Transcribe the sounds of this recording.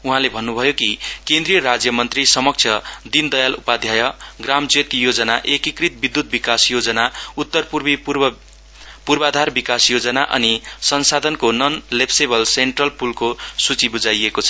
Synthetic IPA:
uɦãlebʱʌnːubʱʌjokikẽnd̪rijʌɾad͡zjʌmʌnt̪risʌmʌk̚t͡sʰjʌd̪ind̪ʌjalṵpad̪ʱjajʌɡramd͡zet̪̚jod͡zʌnaʔekikrit̪̚bid̪ːut̪̚bikasjod͡zʌnaut̪ːʌrpurbi | purbad̪ʱarbikasjod͡zʌnaʔʌ̰nisʌnsad̪ʱʌnkonʌnlepsebʌlseɳʈrʌlpulkosut͡sibud͡zajekot͡sʰʌ

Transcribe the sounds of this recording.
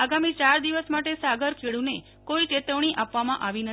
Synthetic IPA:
aɡamit͡ʃaɾd̪iʋəsmaʈesaɡəɾkʰeɭũne | koit͡ʃet̪əʋɳ̃iʔapʋamãʔaʋinə

